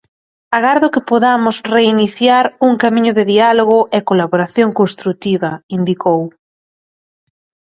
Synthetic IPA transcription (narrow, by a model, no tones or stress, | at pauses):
aɣaɾðʊkɪpoðamʊsreiniθjaɾuŋkamĩɲʊðɪðialoɣ̞ʊʔekolaβoɾaθjoŋkonst̪ɾut̪iβɐind̪ikow